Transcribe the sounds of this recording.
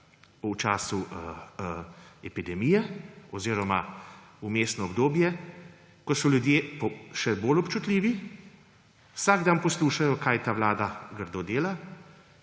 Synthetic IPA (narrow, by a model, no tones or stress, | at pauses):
ut͡ʃaːsu | ɛpid̪ɛmiːjɛɔziːɾɔma | umeːst̪nɔɔbd̪oːbjɛ | kɔsɔljud̪jeːpɔʃɛboːlɔpt͡ʃut̪lʲiːʋi | wsaɡd̪aːnpɔsluːʃajɔkaːjt̪aːʋlaːd̪aɡəɾd̪od̪eːla